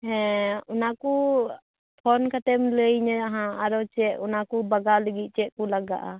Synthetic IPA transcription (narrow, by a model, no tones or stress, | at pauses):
hɛ̃unaku | pʰɔnkʰat̪ɛmləjɲɛaɦãaɾɔt͡ʃɛʔ̚unakubaɡaləɡit̪̚ˀt͡ʃɛʔ̪̚kulaɡa̰ʔa̰